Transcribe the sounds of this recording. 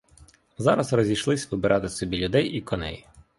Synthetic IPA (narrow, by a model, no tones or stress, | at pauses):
zɑɾɐzrɔzʲijʃlˠɪsʲʋɪbɪɾʔɑt̪ɪsɔbʲilʲʊd̪ɛjikɔnɛ̰j